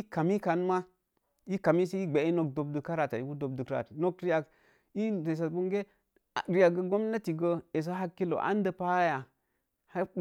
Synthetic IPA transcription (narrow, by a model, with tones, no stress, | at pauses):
i˦ka˨mi˦ka˨nma˦ | i˦ka˨mi˦si˦i˦ɡ͡be˨˦i˦no˨k̚do˨b̚du˨ka˦ɾa˨ta˨i˦ɡu˦do˨b̚du˨kɾa̰˨tno˦kɾi˦ja˨k | i˦e˨s̬a˨bu˦ŋɡe˦˨ | ɾi˦ja˨ɡə˦ɡo˦mla˦ti˨ɡə˦e˨s̬a˦ɦa˦kːi˦lo̰˨ʔa̰˦n˦də˨pa˦ja˨ | ha˦